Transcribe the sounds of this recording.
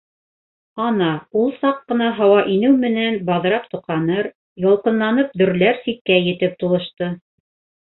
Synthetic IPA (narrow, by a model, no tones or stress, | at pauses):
ɑnɑulˠsɑqːɤ̆nɑɦɑwɑʔinɘwmɘ̆nænbɑð̆ɾɑpt̪ŭqɑnɤɾ | jɑlˠqɤ̆nlˠɑnɤp̚d̪ɵ̆ɾlæɾsikkːæjɘ̆t̪ɘp̚t̪ulˠɤ̆ʃt̪ɤ